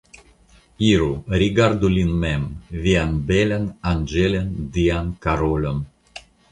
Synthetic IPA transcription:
iɾuɾʲiɡard̪ulʲinmemvianbelʲenand͡ʒelʲend̪iankaɾolʲom

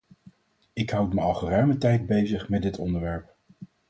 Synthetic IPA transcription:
ɪkɦʌwtməɑlˠχərœɥmətɛjd̚bejzəχmɛdɪtʰɔ̰ndəɹʋɛɹp̚

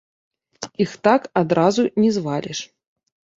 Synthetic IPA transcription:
ixt̪akad̪ɾazunʲɛzvalʲɛʂ

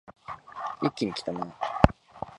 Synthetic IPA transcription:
ikʲːiɲ̟ikʲi̥t̪ana

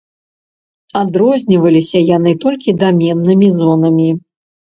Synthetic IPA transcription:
ad̪ɾɔzʲnʲivɐlʲisʲɐjanɨt̪ɔlʲkʲid̪amʲɛnːɨmʲizɔnɐmʲi

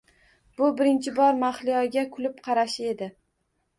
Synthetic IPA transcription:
bʊbɪɾɪnt͡ʃʰɪbɒɾmaχlijɒɡʲakʰʊlɪpqʰɑɾaʃɪe̞d̪ɪ

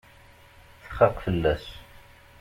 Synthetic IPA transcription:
θə̥χːɑqfəlːæs

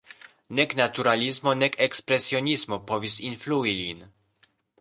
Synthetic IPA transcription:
nʲɛknat̪uɾalʲizmɔnɛkɛkspɾɛsjɔɲʲizmɔpɔvʲisinfluilʲin

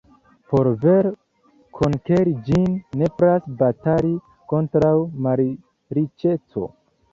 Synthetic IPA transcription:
po̞ɾve̞ɾ | kʰonkeɾid͡ʒinːe̞pɾasbataɾi | ko̞ntɾawmaɾi | ɾit͡ʃe̞t͡so̞̰

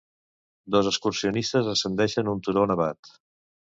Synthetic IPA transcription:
d̪ɔzəskursiunist̪əzəsənd̪ɛʃənunt̪uɾonəβat̪

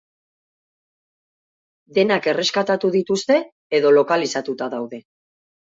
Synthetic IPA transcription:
d̪e̞nake̞re̞skat̪at̪uðit̪ust̪e̞ː | ðo̞lo̞kalisat̪ut̪aðawðe̞

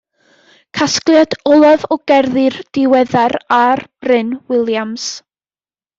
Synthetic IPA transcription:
kʰasklˠjadɔlˠaðɔɡ̥ɛrðɨrd̥ɪwɛðaɾarb̥rɪnwɪlˠjams

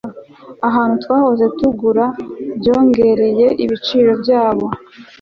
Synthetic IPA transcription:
aɦaːnhutwaːho̞ze̞tuɡuɾabjo̞ːŋɡe̞ɾe̞je̞ʔiβit͡ʃiːɾo̞bjaːβo̞

